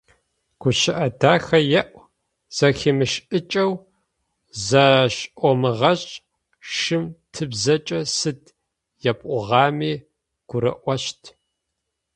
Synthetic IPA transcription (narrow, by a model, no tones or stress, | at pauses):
ɡ̥ʷʊɕɪʔɐdaːxɐjɛʔʷ | z̥ɐxeːmɨʃɨt͡ʃʼɐw | zɐɕʔʷɔmɨʁɐɕʼ | ʃɨmtʰɨbzɐt͡ʃʼɐsɨdʰ | jɐpʷʼʊʁɑːmiː | ɡ̥ʷʊɾɐ̰ʔʷɔɕtʰ